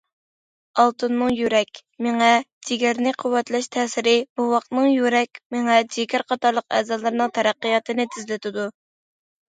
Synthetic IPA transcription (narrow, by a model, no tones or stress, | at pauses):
ɑlˠt̪ʰɨnːɨŋjyɾɛkʲmeŋɛd͡ʒiɡʲæɾnɪqʰʊwːɛt̪lɛʃt̪ʰɛːsɪɾɪb̥uwɑqt̪nɨŋjyɾɛkʲmeŋɛd͡ʒɪkʲæɾqʰɑt̪ɑɾlˠəqɛ̰zɑlˠɨɾnɨŋt̪ʰɛɾæqːɨjɑt̪ʰɨnɪt̪ʰɪzlɪt̪ʰɪd̪u